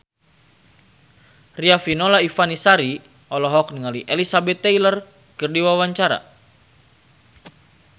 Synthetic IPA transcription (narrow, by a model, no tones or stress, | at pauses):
riafinɔlaifanisaɾi | ɔlɔɦɔk̚niŋaliʔelisabɛt̪ːɛjlər | kərdiwawaɲt͡ʃaɾa̰